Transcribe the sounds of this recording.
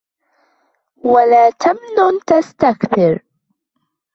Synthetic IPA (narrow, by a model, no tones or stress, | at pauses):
walaːt̪ʰamnʊnt̪ast̪akθɪɾ